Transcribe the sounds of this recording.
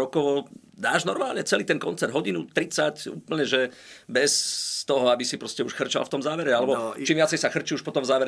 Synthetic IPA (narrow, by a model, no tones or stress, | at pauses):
ɾɔkɔʋɔ | d̪aːʒnɔɾmaːlɲɛt͡sɛliːt̪ɛnkɔnt͡sɛrd̪ɦɔɟinut̪ɾit͡sacṵːpl̩ɲɛʒɛbɛst̪ɔɦɔabisipɾɔscɛuʃxr̩t͡ʃa̰lft̪ɔmzaːʋɛɾɛalɛbɔt͡ʃimʋɪat͡sɛjsaxr̩t͡ʃiuʃpɔt̪ɔmzaːʋɛɾ